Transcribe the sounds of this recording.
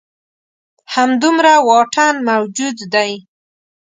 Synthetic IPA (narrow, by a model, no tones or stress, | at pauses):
hamd̪umɾawɑʈʰanmawd͡ʒud̪ːaj